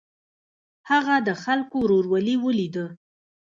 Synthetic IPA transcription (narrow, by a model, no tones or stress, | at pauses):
haɣad̪əxalkoɾoɾwaliwəlid̪ə